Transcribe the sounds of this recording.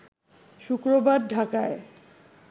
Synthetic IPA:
ʃukɾobadɖʱakae

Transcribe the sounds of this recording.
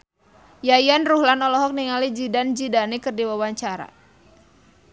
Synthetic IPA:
jajanruhlanɔlɔɦɔk̚niŋalid͡ʒidand͡ʒidanikərdiwawaɲt͡ʃaɾa̰

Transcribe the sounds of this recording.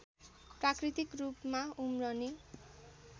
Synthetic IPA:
prakrit̪ikrupmaumrʌni

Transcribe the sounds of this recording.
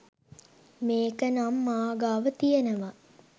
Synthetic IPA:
meːkənamːaːɡaːʋət̪ijenəʋa

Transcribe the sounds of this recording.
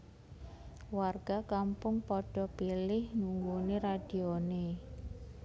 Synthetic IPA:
warɡ̥a̤kampʊŋpɔɖ̥ɔ̤pilɪhnuŋɡuneɾad̥i̤one

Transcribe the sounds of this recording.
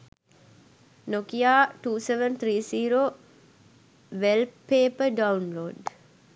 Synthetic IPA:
nokiaːʈuːseʋənt̪ʰɾiːsiːɾoː | ʋelpːeːpəɖaunloːɖ

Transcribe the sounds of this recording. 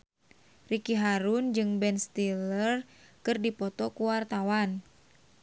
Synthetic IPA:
rikiɦaɾund͡ʒɨŋbɛnst̪ilərkɨrdipɔt̪ɔkuwart̪awan

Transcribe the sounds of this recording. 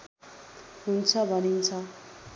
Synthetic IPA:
ɦunt͡sʰʌbʱʌnint͡sʰʌ

